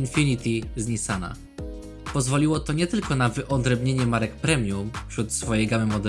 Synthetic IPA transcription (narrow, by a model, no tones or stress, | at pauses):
infʲinʲit̪ʲizɲisana̰ | pɔzvɔlʲiwɔt̪ɔɲɛt̪ɘlkɔnavɘʔɔd̪ɾɛbɲeɲɛmaɾɛkpɾɛmʲjumfɕɾut̪sfɔjejɡamɘmɔd̪ɛ